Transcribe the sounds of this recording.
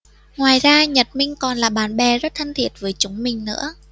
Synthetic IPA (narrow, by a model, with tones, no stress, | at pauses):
ŋwaː˨˩jzaː˧ɲə˨˩t̚mï˧ŋ̟kɔ˨˩nlaː˨˩ɓaː˨˦nɓɛ˨˩zə˦˥t̚t̪ʰə˧ŋt̪ʰi˨˩ət̚vəː˨˦jt͡ɕʊ˨˦ŋ͡mmï˨˩ŋ̟nɨ̰˧˥ə